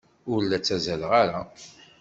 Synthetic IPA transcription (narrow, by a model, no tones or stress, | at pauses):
ʊɾlæt͡sːæzælʁaɾa